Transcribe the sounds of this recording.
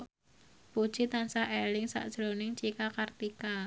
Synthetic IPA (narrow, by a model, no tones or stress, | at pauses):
pud̥ʒ̥it̪ansaʔelɪŋsa̰ʔd̥ʒ̥ɾonɪŋt͡ʃikakart̪ika